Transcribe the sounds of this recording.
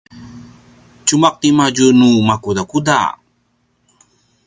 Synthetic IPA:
t͡ɕumak̚t̪imad͡ʒunumakudakuda̰

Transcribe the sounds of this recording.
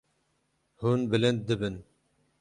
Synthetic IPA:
hunbɨlɨnd̪̚d̪ɨbɨn

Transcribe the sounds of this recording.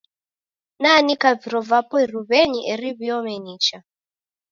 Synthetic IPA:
nanikaviɾɔvapɔiɾuβɛɲiʔɛɾiβiɔmɛɲiːt͡ʃa

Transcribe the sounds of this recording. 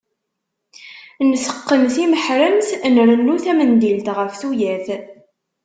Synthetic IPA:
nsə̥qːənθiməħɾəmθnɾənːuθæmənd̪ilt̪ʁəfθujæθ

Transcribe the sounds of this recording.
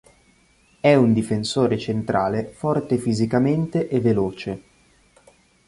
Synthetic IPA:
ɛund̪ifensoːɾet͡ʃent̪ɾʔaːlefɔrt̪efizikament̪eʔevːeloːt͡ʃe

